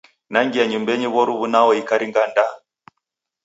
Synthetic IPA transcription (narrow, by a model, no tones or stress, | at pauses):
naŋɡiaɲumbɛɲiβɔɾuβunawɔikaɾiŋɡanda